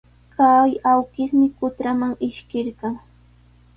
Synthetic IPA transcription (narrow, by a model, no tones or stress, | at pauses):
kajawkɪχmɪkʊt̪ɾamaŋɪʃkɪɾɢɑŋ